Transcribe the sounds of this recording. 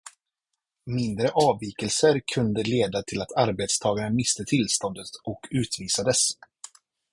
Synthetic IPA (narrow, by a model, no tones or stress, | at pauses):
mɪnd̪ɾəʔɑːviːkəlsəɾkʰɵnd̪əleːd̪at̪ʰɪlat̪ʰaɾbet̪st̪ʰɑːɡaɳamɪst̪ət̪ʰɪlst̪ɔnd̪ət̪ʔɔkʰʉ̟ːt̪viːsad̪əs